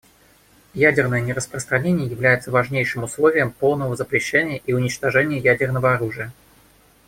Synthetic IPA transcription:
jædʲɪrnəjənʲɪrəspɾəst̪ɾɐnʲenʲɪjəjɪvlʲæjɪt̪səvɐʐnʲejʂɨmʊslˠovʲɪjəmpolˠnəvəzəpɾʲɪɕːenʲɪjəʔiʊnʲɪt͡ɕt̪ɐʐɛnʲɪjəjædʲɪrnəvəɐɾuʐɨjə

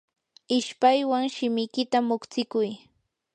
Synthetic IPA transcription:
ɪʃpajwaŋʃɪmɪjkɪt̪amʊkt͡sɪkʊj

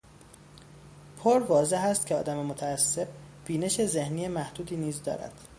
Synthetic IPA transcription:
pʰoɾvɒːze̞ɦæst̪cʲʰeɒ̰ːd̪æmemot̪ʰæːsːe̞b̚b̥iːne̞ʃe̞ze̞hnijemæhd̪uːd̪iːniːzd̪ɒ̰ːɾæ̰d̪̥

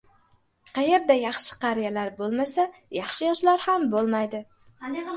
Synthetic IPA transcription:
qʰɑje̞ɾd̪ajɑχʃɪ̥qʰɑɾijalaɾbolˠmasajɑχʃɪjɒʃlaɾhambolˠmajd̪ɪ

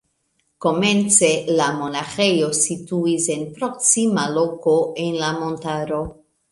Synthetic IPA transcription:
ko̞me̞nt͡se̞lamo̞naxe̞jo̞situise̞npɾo̞ksimalo̞ko̞ʔe̞nlamo̞ntaɾo̞

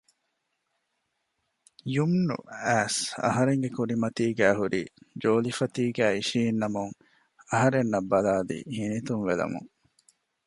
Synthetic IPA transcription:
jumnṵæːsɐ̰ɦɐɾeŋɡekuɾimɐt̪iːɡæːɦuɾiːd͡ʒoːlifɐt̪iːɡæːiʃiːnːɐmuŋ | ɐɦɐɾenːɐbːɐlaːlḭːhinit̪unʋelɐ̰mṵŋ

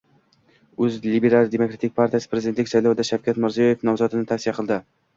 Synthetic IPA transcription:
ɵzlibe̞ɾalˠd̪e̞mokɾat̪ʰɪk̚ʲpʰaɾt̪ijasɪpʰɾe̞zd̪ent̪lɪkʲsajlɒwɪd̪aʃawkʰʲat̪mɪɾzijɒje̞fnɒmzɒd̪ɪnɪt̪ʰafsijaqʰɨlˠd̪ɪ

